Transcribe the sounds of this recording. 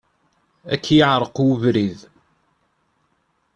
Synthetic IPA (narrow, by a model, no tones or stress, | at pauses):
ækːjəʕɾˤəqʊvɾið